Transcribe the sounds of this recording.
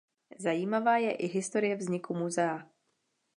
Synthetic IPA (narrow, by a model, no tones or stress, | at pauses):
zajiːmavaːjɛʔɪɦɪst̪o̞ɾɪjɛvzɲɪkumuzɛa